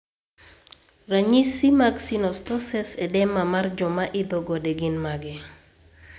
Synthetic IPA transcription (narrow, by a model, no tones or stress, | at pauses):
raɲisimaksinɔstɔsɛsɛdɛmamard͡ʒɔmaʔɪd̪ɔɡɔdeɡɪnmaɡɛ